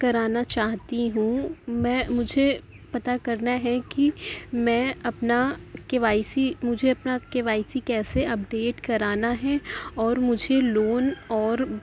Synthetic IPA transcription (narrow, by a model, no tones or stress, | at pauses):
kɐɾaːnat͡ʃaːɦt̪iɦũmɛ̃ːmʊd͡ʒʱe | pɐt̪akɐɾnaɦɛkimɛ̃ːɐpnakeʋaːɪsimʊd͡ʒʱeɐpnakeʋaːɪsikɛːseɐp̚ɖeːʈkɐɾaːnaɦɛɔːɾmʊd͡ʒʱeloːnɔːɾ